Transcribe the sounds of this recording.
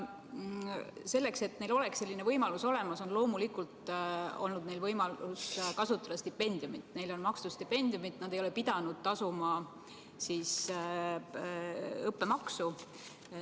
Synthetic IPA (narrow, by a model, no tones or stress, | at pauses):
se̞lːe̞kse̞t̪ne̞jlo̞le̞ksːe̞lːinevɤjmɑluso̞le̞mɑso̞nlo̞ːmulikˑult̪o̞̰lnud̪̥̚ne̞jlvɤjmɑluskɑsut̪ːˑɑd̥̪ɑst̪ipːe̞nʲd̪̥ijumit̪ˑne̞jlo̞nmɑkst̪ust̪ipːe̞nʲd̪̥iumit̪ːˑnɑd̪̥e̞jo̞le̞pid̪̥ɑnud̪̥̚t̪ɑsumɑ | siːs | ɤpːe̞mɑksu